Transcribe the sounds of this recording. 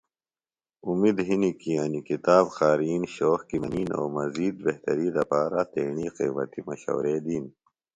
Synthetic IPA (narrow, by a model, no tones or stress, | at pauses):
umiːd̪ɦinikiɐnikit̪aːbxaːɾiːnɕoːxkimɐniːno̰ːmɐziːd̪̚beht̪ɐɾiːd̪ɐpaːɾat̪eːɳiːqeːmɐ̰t̪imɐɕo̰ːɾeːd̪iːn